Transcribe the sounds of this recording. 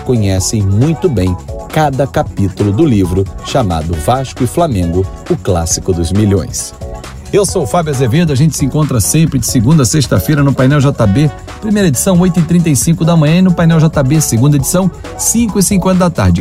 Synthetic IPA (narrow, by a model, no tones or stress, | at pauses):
kõɲɛsẽj̃mũj̃t̪ʊbẽj̃kad̪ɐkapit̪ʊlʊd̪ʊlivɾʊʃama̰d̪ʊvaʃkʊɪflamẽɡʊʊklasi̥kʊd̪ʊzmiʎõ̰j̃s | ewsowfabjɐzeved̪ʊɐʒẽnt͡ʃɪ̥sɪẽŋkõt̪ɾɐsẽpɾɪd͡ʒɪsɪɡũnd̪ɐseʃt̪ɐfejɾɐnʊpajnɛwʒɔt̪abe | pɾimejɾɐed͡ʒisɐ̃w̃ojt̪ʊɪt̪ɾĩnt̪̬ɐjsĩkʊd̪ɐmɐ̃jɲɐ̃inʊpajnɛwʒɔt̪abesɪɡũd̪ɐed͡ʒisɐ̃w̃ | sĩkʊisĩŋkwẽnt̪ɐd̪at̪a̰ɾd͡ʒɪ